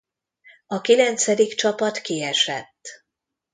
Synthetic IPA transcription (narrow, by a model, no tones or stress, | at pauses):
ɒkilɛnt̪sɛd̪ikt͡ʃɒpɒt̪kiɛʃɛ̰t̪ː